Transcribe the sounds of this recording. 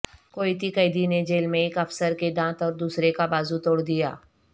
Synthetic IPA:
koːit̪ikəɪd̪ined͡ʒeːlmẽɪːkɐfsəɾkeɖãːt̪ɔːɾd̪uːsɾekabaːzut̪oːɽd̪ija̰ː

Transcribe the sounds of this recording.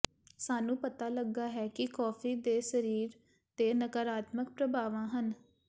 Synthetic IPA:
saːnũːpət̪aːləɡːaːɦɛːkɪkɔːfʰiːd̪eːsəɾiːɾ | t̪eːnəkəɾaːt̪məkpɾəbʱaːʋãːɦən

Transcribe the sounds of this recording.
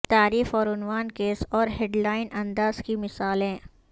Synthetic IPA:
t̪aːɾiːfɔːɾʊnwaːnkeːsɔːɾɦeɖlaːɪnɐ̃nd̪aːzkimɪsaːlɦɛ̃ː

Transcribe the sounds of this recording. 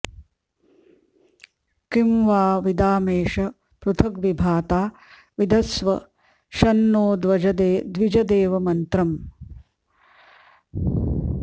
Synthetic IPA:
kimʋaːʋid̪aːmeːʃɐ | pɾut̪ʰɐkʋibʱaːt̪aː | ʋid̪ɐsʋɐ | ʃɐnːoːd̪ʋɐd͡ʒɐd̪eːd̪ʋid͡ʒɐd̪eːʋɐmɐnt̪ɾɐm

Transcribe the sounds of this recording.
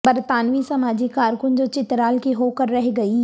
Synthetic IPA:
bɐɾt̪aːnʋisɐmaːd͡ʒikaːɾkʊnd͡ʒoːt͡ʃɪt̪ɾaːlkiɦoːkəɾːɛɦɡɐi

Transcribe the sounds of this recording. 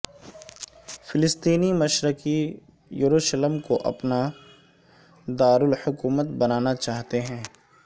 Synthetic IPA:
fɪlɪst̪iːnimɐʃɾəki | juɾuːʃləmkoʔɐ̰pna | d̪aːɾʊlhʊkuːmət̪bɐnaːnat͡ʃaːɦt̪eɦɛ̃ː

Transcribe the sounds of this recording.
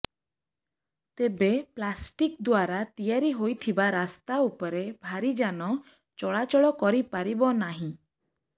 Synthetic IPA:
t̪ebeplasʈikd̪waɾat̪ijaɾiɦojt̪ʰibaɾast̪aupɔɾebʱaɾid͡ʒanɔ | t͡ʃɔɭat͡ʃɔɭɔkɔɾipaɾibɔnaɦĩ

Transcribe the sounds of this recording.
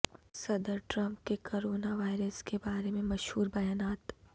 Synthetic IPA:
sɐd̪əɾʈɾɐ̃mp̚kekoːɾoːnaʋaːɪɾəskebaːɾemẽmɐʃhuːɾbɐjaːnaːt̪

